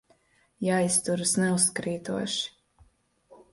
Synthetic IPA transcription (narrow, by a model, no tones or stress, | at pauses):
jajst̪uɾɨsnɛuskɾiːt̪ṵɔʃi̥